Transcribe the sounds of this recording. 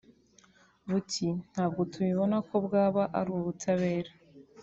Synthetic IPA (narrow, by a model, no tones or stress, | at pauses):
βutʰin̥haːb̚ɡo̞tʰuβiβo̞nako̞bɡaːβaʔaɾuwoβutʰaβe̞ːɾe